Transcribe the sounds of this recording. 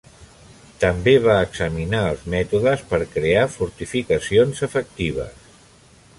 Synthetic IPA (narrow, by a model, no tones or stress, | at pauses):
t̪əmbeβ̞aəɡzəminaəlˠzmɛt̪uðəspəɾkɾeafuɾt̪ifikəsionzəfək̚t̪iβ̞ə̰s